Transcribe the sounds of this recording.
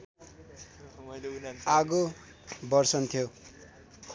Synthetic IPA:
aɡo | bʌrsʌnt̪ʰijo

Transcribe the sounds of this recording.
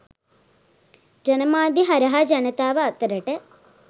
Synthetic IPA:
d͡ʒɐnɐmaːd̪iɦɐɾɐɦɐd͡ʒɐnɐt̪aːʋɐːt̪ːɐɾɐʈe

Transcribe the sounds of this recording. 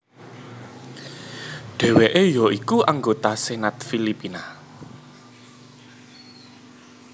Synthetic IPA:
ɖ̥ɛ̤weʔejɔikuaŋɡot̪asenat̪filipina

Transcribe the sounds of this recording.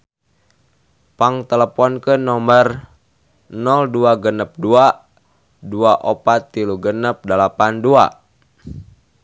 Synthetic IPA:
paŋt̪ələpɔnkənɔmər | nɔlduaɡənəp̚dua | duaʔopat̪̚ːiluɡənəp̚dəlapandua̰

